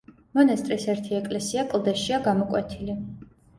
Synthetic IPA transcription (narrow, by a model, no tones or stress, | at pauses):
mɔnast̪ʼɾisɛɾt̪ʰiɛkʼlɛsiakʼlˠd̪ɛʃiaɡamɔkʼwɛt̪ʰili